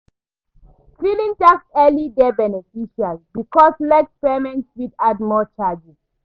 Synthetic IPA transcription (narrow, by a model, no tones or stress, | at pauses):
filĩntaksɛlidɛbɛnɛfiʃialibikɔslɛkspɛmɛ̃ntswidadmɔt͡ʃad͡ʒis